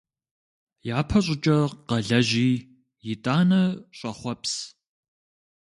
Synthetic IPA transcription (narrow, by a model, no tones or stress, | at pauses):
jaːpʰɐɕʼɪt͡ʃʼɐqɐɮɐʑiː | jɪtʼaːnɐɕʼɐχʷɔps